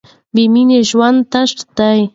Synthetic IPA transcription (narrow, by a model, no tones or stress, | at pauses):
bɪmineʃwant̪aʃtḁt̪aj